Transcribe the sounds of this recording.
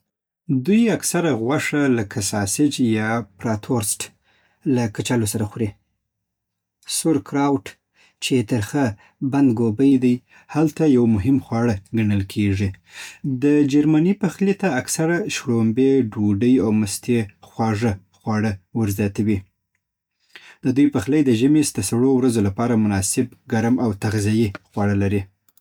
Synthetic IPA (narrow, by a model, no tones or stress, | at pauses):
d̪ujaksaɾaɣwaʂalakʰasɑsɪd͡ʒjɑpɾat̪ʰoɾsʈ | lakat͡ʃalosaɾaxɾe | sʊɾkɾɑwʈ | t͡ʃet̪əɾxə | band̪ɡobəjd̪aj | halt̪ajawmʊɦɪmxwɑɽəɡaɳəlkʰeʐid̪əd͡ʒaɾmanipaxlet̪aːksaɾaʃɽombeɖoɖəjawməst̪exwɑʐə | xwɑɽəwəɾzjɑt̪awi | d̪əd̪ujpaxləjd̪əʒəmesd̪̥əsaɽowɾazolapɑɾamʊnɑsɪbɡaɾmawt̪aɣzajixwɑɽəlaɾi